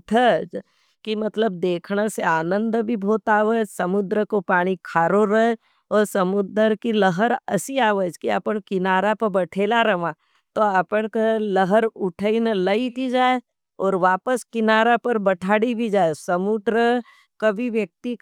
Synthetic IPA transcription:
ʈʰəd͡ʒ | kimɐt̪ləbd̪eːkʰnaseaːnə̃nd̪bʱibʱoːt̪aːʋəd͡ʒsɐmʊd̪ɾəkopaːɽ̃ikʰaːɾoɾə | ɔːɾsɐmʊd̪əɾkiləɦəɾɐ̰siaːʋəd͡ʒkiə̰pəɳkɪnaːɾapɐɾbɐʈʰeːlaɾɐʋãː | t̪oəpəɽkeləɦəɾʊʈʰəinələit̪id͡ʒaːe | ɔːɾʋaːpəskɪnaːɾapɐɾbəʈʰaːɽibʱid͡ʒaːesɐmʊd̪ɾə | kɐbʱiʋjək̚t̪i

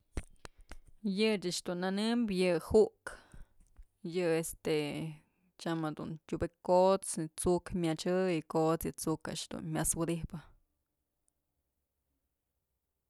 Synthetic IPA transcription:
jɨt͡ʃaʔʂd̪unːanɨmbjɨhuʔk | jɨest̪e | t͡ʃamad̪ṵnt̪ʲubekot͡st͡sukmʲat͡ʃɨikot͡sjɨt͡suka̰ʔʃd̪ṵnmʲjaswɨd̪ihpɨ

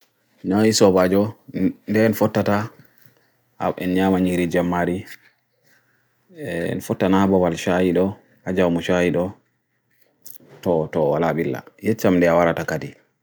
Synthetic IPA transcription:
naisɔbad͡ʒɔndɛnfɔtːata | a̰ɛ̰nɲamaɲiɾid͡ʒamːaɾi | nfɔtːanabɔbalʃajiɗɔ | ad͡ʒawmuʃajiɗɔ | tɔtɔwalaɓilːa̰jɛt͡ʃːamndɛawaɾatakadi

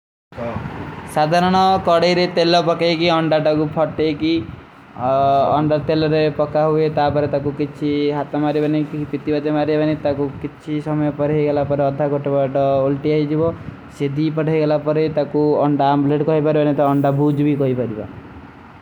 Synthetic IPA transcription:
sad̪ʱaɾɔɽ̃ɔkɔɽejɾet̪elɔpɔkajkiɔɳɖaʈakupʰɔʈejki | ɔ̰ɳɖaɾt̪elɔɾepɔkaɦuet̪apɔɾet̪akukit͡ʃʰiɦat̪ɔmaɾibanikipit̪ibad̪emaɾibanit̪akukit͡ʃʰisɔmɔjɔpɔɾajɡelapɔɾeɔd̪ʱːakɔʈebaʈɔolʈiajd͡ʒibɔ | sed̪ʱipɔʈajɡelapɔɾet̪akuɔɳɖaːmbleʈkɔɦipaɾibanit̪ɔɔɳɖabʱud͡ʒbikɔɦipaɾiba̰

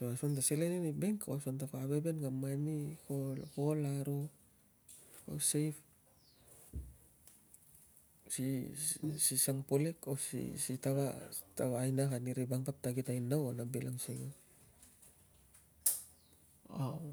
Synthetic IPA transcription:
soasont̬aseleninibeŋkaasontakaaβebenɡamanikokolaɾo | o̰sejf | si | sisaŋpolekosḭsitaβataβaːjnakaniɾibaŋpap̚taɡitajnawonabelaŋsiŋa | a

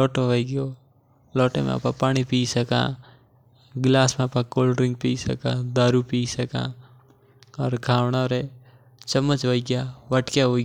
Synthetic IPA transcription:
ɔːʈoʋəiɡio | lɔːʈḛ̃mḛ̃ɐ̰pã̰paːɽ̃ipiːsɐkã̰ː | ɡlaːsmẽɐpãkoːlɖɾɪ̃ŋɡ̚piːsɐ̰kãːd̪aːɾupiːsɐkã̰ː | ɔːɾkʰaːʋnaɔɾe | t͡ʃəmːət͡ʃʋoiɡjaːʋəʈkjaɦoː

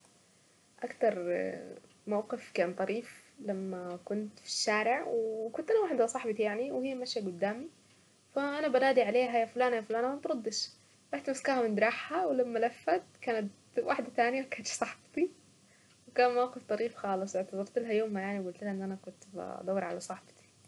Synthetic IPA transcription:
ʔakt̪ɑɾˤ | mawqɪfkaːnt̪ˤɑɾiːflamːakʊnt̪fi̥ʃːaːɾɪʕwkʊnt̪ʔɪlawaħd̪hasˤɑħbɑt̪ijaʕniwhijːmaʃjaɡʊd̪ːaːmi | faʔanabanaːd̪iʕaleːɦajafʊlaːnajafʊlaːnamabt̪ɾɑd̪ːɪʃ | ʔaħt̪maskaːhamɪnd̪ɾˤɑːħhawlamːalafːat̪kaːnat̪ | waħd̪at̪aːnɪjakaːt̪ʃsˤɑħbt̪i | wkaːnmawqɪft̪ˤɑɾiːfxɑːlɨsˤwɪʕt̪ɑbɑɾˤt̪ɪlɦajoːmːajaʕniwɡʊlt̪ɪlhaʔɪnːʔanakʊnt̪ba̰ɑ̰d̪ˤɑwːɑɾʕalasˤɑħbt̪i̥

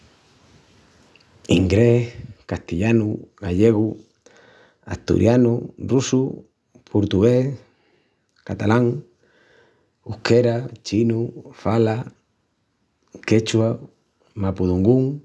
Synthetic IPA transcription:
iŋɡɾehkast̪iʎanuɣaʎeɣu | a̰ht̪ṵɾʔjanurusu | pʰoɾt̪uɣes | kat̪alaŋ | ukeɾat͡ʃinufala | ket͡ʃwa | mapuðuŋɡuŋ

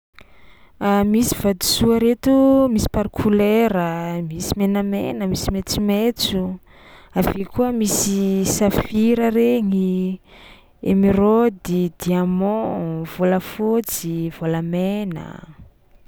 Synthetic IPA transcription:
amisi̥vad̪i̥suaɾet̪umisi̥paɾkʰuleɾəmisimenəmḛnəmisimet͡simet͡su | avekuəmisisafiɾəɾeŋi | ḛmiɾod̪id̪iamɔ̃v̥oləfot͡siv̥oləmenə̰

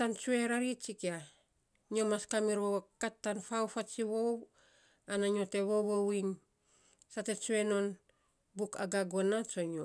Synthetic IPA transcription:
ant͡ʃue̞ɾaɾit͡ʃikia | ɲo̞maskamiɾwowakatːanfawfat͡ʃiβo̞w | anaɲo̞te̞βoβowiŋ | sate̞t͡ʃue̞no̞n | buka̰ɡaɡo̞nat͡ʃoɲo

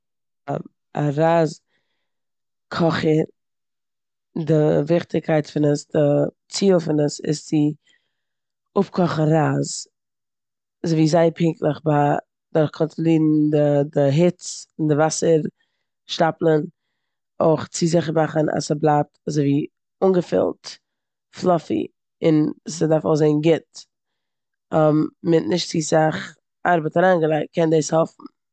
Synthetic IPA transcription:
a̰ | a̰ɾaːz | kʰɔχəɾ | dɪvɪχtɪkʰaɪtfɪnəsdɪ | t͡siːəlˠfɪnəsɪ̰st͡sɪ | ʊpkʰɔχn̩ɾaːz | azoɪviːzaɪpʰɪŋklˠəχba | dɔɾχkʰɔntlˠiːdn̩dədɪɦɪt͡sɪndɪvasəɾ | ʃtaplˠən | o̰ɪχt͡sɪzɪχəɾmaχəna̰səblˠatazoɪviː | ʊnɡəfɪ̰lˠt | flˠɔfḭ | ɪnsədaɾfɔ̰zeɪnɡɪt | ɔmmɪtnɪʃtt͡sisaχ | aɾbətaɾaːnɡəlˠaɪkt̚kʰɛndeːshɔfn̩

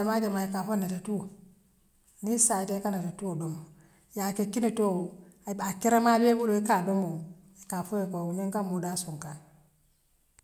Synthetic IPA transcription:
amad͡ʒamajikafonatatu | nisatekanatetuodomo | jakekinetuoabakeɾamabebuloikadomo | ikafojekouɲeŋkamudasuŋka

